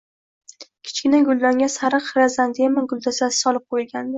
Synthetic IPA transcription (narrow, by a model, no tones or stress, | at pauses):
kʲʰɪ̥t͡ʃkʲɪnaɡʊlˠd̪ɒŋʲasaɾɨqɾazand̪ɪemanɡʊlˠd̪asasɪ̥sɒlˠɪp̚qʰojɪlɡʲand̪ɪ